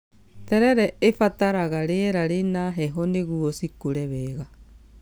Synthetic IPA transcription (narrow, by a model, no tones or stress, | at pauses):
tɛɾɛɾɛefataɾaɣaɾeɛɾaɾenaɦɛɦɔneɣuɔsikuɾɛβɛɣa